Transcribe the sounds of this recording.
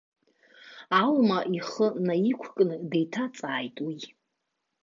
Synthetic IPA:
almaʔiχənaikʷʰkʼnɨdejtʰat͡sʼaːjtʼwi

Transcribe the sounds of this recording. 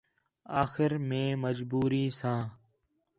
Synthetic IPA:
aːxɪɾmẽːməd͡ʒbuːɾiːsãː

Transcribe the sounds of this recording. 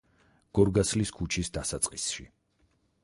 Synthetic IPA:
ɡ̥ɔɾɡasliskʰut͡ʃʰisd̪asat̪sʼqʼisʃḭ

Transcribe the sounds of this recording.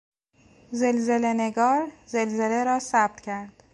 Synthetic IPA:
zelze̞leneɡɒːɾzelzeleɾɒːsæb̥̚t̪cʰæɾd̪̥

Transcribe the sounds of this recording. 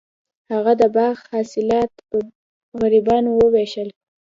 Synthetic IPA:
haɣad̪əbɑɣhɑsɪlɑt̪pə | ɣaɾibɑnowəweʃəl

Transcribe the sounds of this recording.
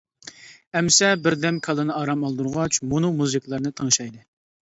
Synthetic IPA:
ɛmsɛbɪɾd̪ɛmkʰɑlˠɨnɨɑːɾɑmɑlˠd̪uɾʁɑt͡ʃmunumuzɨkʲlˠɨɾnɨt̪ʰəŋʃɑjd̪ɨ

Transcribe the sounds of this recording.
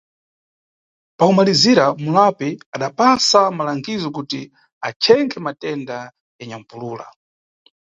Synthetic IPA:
pakumaliziɾamulapiaɗapasamalaŋɡizɔk̬uti | at͡ʃʰɛŋkʰɛmatɛnda | jaɲam̩puluːla̰

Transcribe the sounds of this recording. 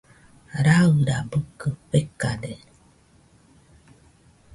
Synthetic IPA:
ɾaɯɾabəkəpekːade

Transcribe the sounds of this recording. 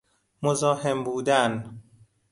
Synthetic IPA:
mozɒːhe̞mbuːd̪æn

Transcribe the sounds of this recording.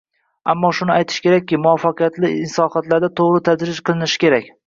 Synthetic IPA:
amːɒʃʊnɪajt̪ʰɪ̥ʃkʲe̞ɾak̚ʲːɪmʊwɒfɑqʰɨjat̪lɪɪnsɒhat̪laɾd̪at̪ʰoʁɾɪt̪ʰad͡ʒɾɪd͡ʒqʰɨlˠɪnɪʃɪ̥kʲe̞ɾakʲ

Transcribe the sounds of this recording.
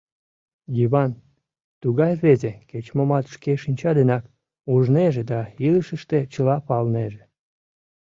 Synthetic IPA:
jiβɑn | t̪uɣɑjβezeket͡ɕmomɑt̪ʃkeʃinʲt͡ɕɑd̪enɑk | uʒneʒed̪ɑiləʃəʃt̪et͡ɕəlɑpɑlneʒe

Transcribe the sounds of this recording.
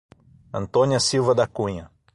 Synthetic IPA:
ɐ̃nt̪õniɐsiwvɐd̪akũɲɐ

